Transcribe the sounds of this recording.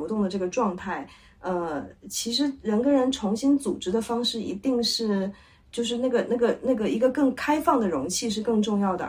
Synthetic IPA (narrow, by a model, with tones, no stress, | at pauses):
t̪ʊ˥˩ŋd̪ə˩ʈ͡ʂɤ˥˩ɡə˩ʈ͡ʂwɑ˥˧ŋt̪ʰa˥˩ɪ | ə˧t͡ɕʰi˧˥ʂɻ̩˧˥ɻə˧˥nkə˥ɻə˧˥nʈ͡ʂʰʊ˧˥ŋɕi˥nt͡su˨˩ʈ͡ʂɻ̩˧˥d̪ə˧fɑ˥ŋʂɻ̩˥˩ḭ˧˥t̪i˥˧ŋʂɻ̩˥˩ | t͡ɕjo˥˧ʊʂɻ̩˥˧na˥˩ɡə˩na˥˩ɡə˩na˥˩ɡə˩i˧˥ɡə˧kɤ˥˩ŋkʰa˥ɪfɑ˥˩ŋd̪ə˩ɻʊ˧˥ŋt͡ɕʰi˥˧ʂ̬ɻ̩˥˧kɤ˥˧ŋʈ͡ʂʊ˥˧ŋjɑ˥˩ʊd̪ə̰˩